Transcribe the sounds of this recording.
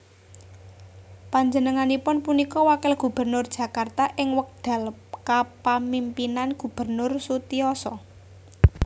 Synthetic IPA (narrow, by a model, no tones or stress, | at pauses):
paɲd͡ʒənəŋanipʊnpunikɔwakɪlɡ̥ṳb̥ə̤rnʊrd̥ʒ̥ä̤kart̪aʔɪŋwək̚d̪̥a̤lkapamimpinanɡ̥ṳb̥ə̤rnʊrsut̪iɔsɔ